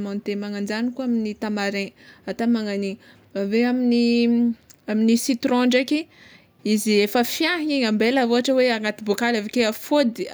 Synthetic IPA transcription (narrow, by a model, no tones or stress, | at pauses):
mõnt̪emaŋand͡ʒanikuaminit̪amaɾẽat̪amaŋaniŋ | aveamini | aminisit̪ɾɔ̃ɳɖ͡ʐakʲi | iziefəfjaɦiɲambelavoaʈ͡ʂəweaŋat̪ibokalavekeafod̪i